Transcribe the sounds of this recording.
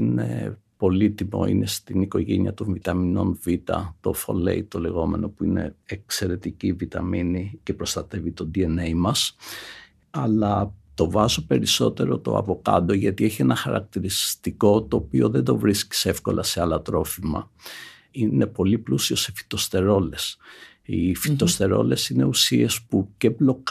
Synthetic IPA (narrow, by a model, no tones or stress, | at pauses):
ine̞̰ | po̞lit̪imo̞̰ḭne̞st̪iniko̞ʝḛniɐt̪o̞ɱvit̪ɐmino̞̰nvit̪ɐ̰t̪o̞fo̰lḛit̪o̞le̞ɣo̞me̞̰no̞puine̞̰ːkse̞ɾe̞t̪icivit̪ɐminice̞pɾo̞st̪ɐt̪e̞vit̪o̞d̪ie̞nejmɐs | ɐlɐt̪o̞vɐzopeɾiso̞t̪e̞ɾo̞t̪o̞̰ɐ̰vo̞kɐ̰d̪o̞ʝɐt̪ieçienɐxɐɾɐ̰k̚t̪iɾist̪iko̞t̪o̞ːpio̞ðend̪o̞vɾisci̥se̞fko̞̰lʔɐse̞ɐlɐt̪ɾo̞fimɐ̰ | ine̞po̞liplusio̞se̞fi̥t̪o̞st̪e̞ɾo̞le̞s | ifit̪o̞st̪e̞ɾo̞̰le̞sine̞usie̞spuceblo̞k